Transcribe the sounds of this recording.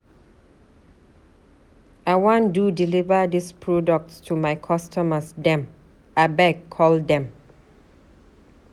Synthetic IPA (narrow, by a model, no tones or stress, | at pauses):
aɪwɔ̃ndudilivədispʰɹɔdək̚tstʰumaɪkʰɔstəməsdɛ̃m | abɛɡkʰːɔldɛ̃m